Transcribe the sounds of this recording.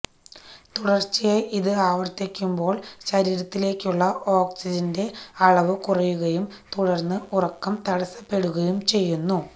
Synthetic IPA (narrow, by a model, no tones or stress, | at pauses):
t̪uɽɐrt͡ɕːijejʔiðɨaːʋɐrt̪ːikʲːumbo̞ːɭɕɐɾiːɾɐt̪ːile̞ːkʲːuɭːɐʔo̞ːksid͡ʑɐnde̞ɐɭɐʋɨkurɐjuɣɐjumt̪uɽɐrnːɨʔurɐkːɐmt̪ɐɽɐsɐpe̞ɽuɣɐjumt͡ɕe̞jːunːu